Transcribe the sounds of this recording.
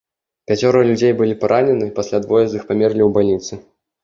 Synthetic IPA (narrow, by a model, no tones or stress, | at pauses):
pʲat͡sʲɔɾɐlʲud͡zʲejbɨlʲipaɾʔanʲɛnɨpasʲlʲad̪vɔjɛzixpamʲɛrlʲiwbalʲnʲit̪sɨ